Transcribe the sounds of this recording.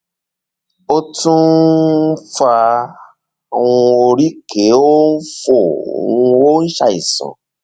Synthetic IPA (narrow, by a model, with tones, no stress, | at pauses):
o˦tũ˦ | fa˧˨ | wũ˧o˧ɾi˦ke˨˦o˦n̩˦fo˦˨o̰˨wũ˧o˦n̩˦ʃa̰˦˧i˨sã̰˨